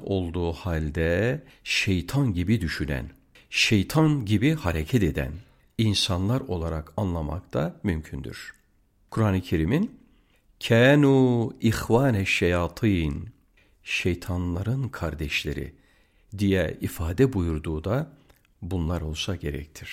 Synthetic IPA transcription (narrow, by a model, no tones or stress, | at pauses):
o̞lˠd̪uːhalʲd̪ɛ | ʃejt̪ʰanɟibid̪yʃynæ̰n | ʃejt̪ʰanɟibihaɾecʰɛt̪ed̪æ̰n | insanlˠaɾo̞lˠaɾakʰanlˠama̰kt̪ʰamymcʰynd̪y̰ɾ̥ | kʰuɾanɯcʰeɾimin | cʰɛːnuixvaːnɛʃejaːt̪ʰɯjn | ʃejt̪ʰanlˠaɾɯnkʰaɾd̪ɛʃlʲḛɾḭ | d̪ijɛifaːd̪ɛbujuɾd̪uːd̪a | bunlˠaɾo̞lˠsaɟe̞ɾɛ̰c̚t̪ʰiɾ̥